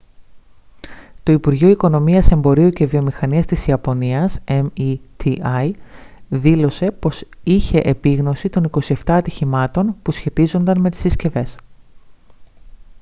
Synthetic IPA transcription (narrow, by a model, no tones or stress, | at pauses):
t̪o̞ipuɾʝoiko̞no̞miɐse̞mbo̞ɾiuce̞vio̞mixɐniɐst̪isiɐpo̞niɐsemit̪ʰiɐjðilo̞se̞po̞siçe̞ʔepiɣno̞sit̪o̞niko̞sie̞ft̪ɐːt̪içimɐt̪o̞npusçe̞t̪izo̞nd̪ɐnme̞t̪i̥sisce̞ve̞s